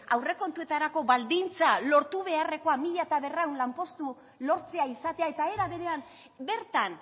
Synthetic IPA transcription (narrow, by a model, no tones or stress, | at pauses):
awre̞ko̞nt̪ue̞t̪aɾako̞βald̪int͡salo̞ɾt̪uβe̞are̞ko̞amiʎat̪aβe̞rewnlampo̞st̪u | lo̞ɾt͡se̞aisat̪e̞ae̞t̪ae̞ɾaβe̞ɾe̞am | be̞ɾt̪an